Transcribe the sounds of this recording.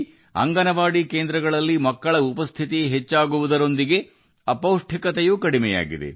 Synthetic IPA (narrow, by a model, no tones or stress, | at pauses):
ɐ̰ŋɡɐnɐʋaːɽikeːnd̪ɾɐɡɐɭɐlːimɐkːɐɭɐupɐst̪ʰit̪iɦet͡ʃːaːɡuʋud̪ɐɾo̞nd̪iɡe̞ | ɐpɐwʂʈʰikɐt̪ɛjuːkɐɽimɛja̰ːɡḭd̪e̞̰